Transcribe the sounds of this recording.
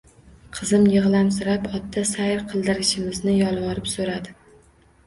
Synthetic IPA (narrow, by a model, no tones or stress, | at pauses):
qʰɨzɪmjɨʁlˠamsɪɾapɒt̪ːasajɾqʰɨlˠd̪ɪɾɪʃɪmɪznɪjɒlˠwɒɾɪpsoɾad̪ɪ